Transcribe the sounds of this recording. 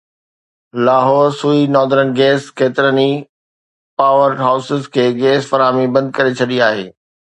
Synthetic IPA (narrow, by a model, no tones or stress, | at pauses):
laːɦɔːɾsuːinɔːd̪əɾənɡɛːskeːt̪ɪɾəni | paːʋəɾɦaːʊsɪzkʰeːɡɛːsfɐɾaːmibɐ̃nd̪̚kɐɾet͡ɕʰɐɗiaːɦḛː